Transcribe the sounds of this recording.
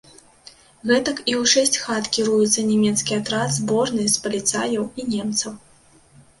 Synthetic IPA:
ɣɛt̪ɐkiwʂɛsʲt͡sʲxat̪kʲiɾujut̪sːɐnʲɛmʲɛt̪skʲijat̪ɾad̪zbɔʐnɨjspɐlʲit̪sajɐwinʲɛmt̪sɐw

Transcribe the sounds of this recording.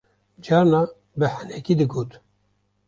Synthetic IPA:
d͡ʒɑːɾnɑː | bɨħænɛkiːd̪ɨɡoːt̪

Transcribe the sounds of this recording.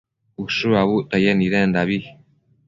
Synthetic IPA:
usuaβuʔt̪ajeniɾend̪aβi

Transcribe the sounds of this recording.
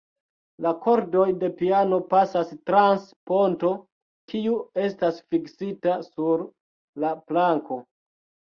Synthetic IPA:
lako̞ɾdo̞jde̞piano̞pasastɾanspo̞nto̞ | kiue̞stasfiksitasuɾ | laplaŋko̞

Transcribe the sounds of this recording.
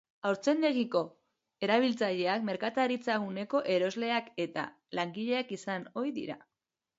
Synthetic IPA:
awɾt͡se̞nd̪e̞ɣiko̞ | e̞ɾaβ̞ilt͡saʎe̞akme̞ɾkat̪aɾit͡saɣune̞ko̞ʔe̞ɾo̞zle̞ake̞t̪a̰ | laŋɡiʎe̞akisano̞jðḭɾa̰

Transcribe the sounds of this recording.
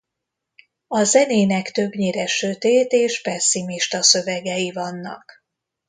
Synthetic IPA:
ɒzɛneːnɛkt̪ø̞bɲeːɾɛʃøt̪eːt̪eːʃpɛsːimiʃt̪ɒsøvɛɡɛjivɒnːɒ̰k

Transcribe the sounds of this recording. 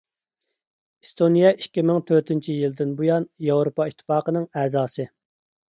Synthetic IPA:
ist̪ʰonijɛʔikʲːimɪŋt̪ʰøɾt̪ɪnt͡ʃʰijild̪ɪnbujɑnjɑwɾopɑit̪ʰːɪ̥pɑːqənɨŋɛːzɑːsɨ

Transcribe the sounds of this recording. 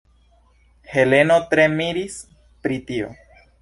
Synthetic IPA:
he̞le̞no̞tɾe̞miɾis | pɾitio̞̰

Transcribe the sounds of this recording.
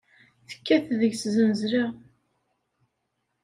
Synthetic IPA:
θə̥kːæθðəʝszənzɾa

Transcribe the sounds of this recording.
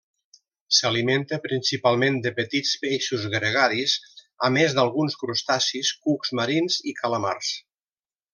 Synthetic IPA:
saliment̪əpɾinsipalˠmend̪əpət̪it͡speʃuzɣɾəɣ̞aɾiz | əmezd̪alˠɣunskɾust̪asiskukzməɾinzikʰaləma̰rs

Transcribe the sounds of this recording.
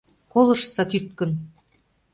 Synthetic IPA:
kolɤ̆ʃsɑt̪yt̪̚kə̆n

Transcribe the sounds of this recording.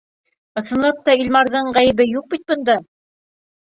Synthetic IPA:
ɤ̆sɤ̆nlˠɑp̚t̪ɑilmɑɾðɤɴʁæjɘ̆βɘjuq̚bit̪̚bɤ̆nd̪ɑ

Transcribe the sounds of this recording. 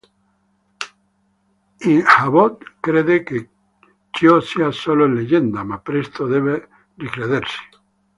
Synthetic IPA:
iŋhaβot̪kɾeðeke | t͡ʃjoseasololeʝend̪amapɾest̪oðeβe | rikɾeðeɾse̥

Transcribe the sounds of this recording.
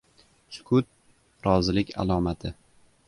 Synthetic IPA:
sʊ̥kʰʊt̪̚ | ɾɒzɪlɪkʲa̰lˠɒmat̪ʰɪ

